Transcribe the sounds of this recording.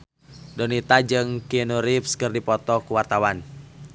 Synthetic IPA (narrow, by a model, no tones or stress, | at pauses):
dɔnit̪ad͡ʒɨŋkinuɾipskɨrdipɔt̪ɔkuwart̪awan